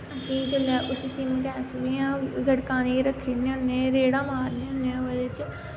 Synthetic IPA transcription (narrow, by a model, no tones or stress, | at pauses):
əsĩːt͡ʃəlaːʔʊsəsĩːmkɛːsʋiãːɡəɽkaːniːɾəkʰːiːneːʊnːẽːɾeːɽaːmaːɾneːʊnːeːod̪et͡ʃ